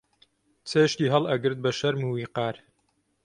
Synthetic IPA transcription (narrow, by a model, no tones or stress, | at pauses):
t͡sʰeːʃt̪iːɦɐlˠʔɐɡɨɾt̪̚bɐʃɐɾmuwiːqɑːɾ